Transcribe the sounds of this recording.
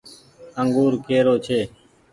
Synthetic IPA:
əŋɡuːɾkeːɾoːt͡ʃʰeː

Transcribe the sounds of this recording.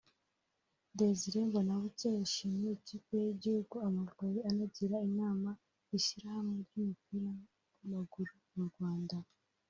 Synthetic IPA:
deziɾembonaβuceiʃimecikejeɟihuɡuamaɾɡajianaɟiɾaiɲaːma | iʃiɾahamŋeɾumupiːɾa | maɡuɾumuɾɡwaːnda

